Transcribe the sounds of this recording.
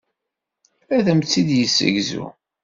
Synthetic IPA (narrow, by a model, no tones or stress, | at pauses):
æðəmt͡sːid̪jəsːə̰ʝzṵ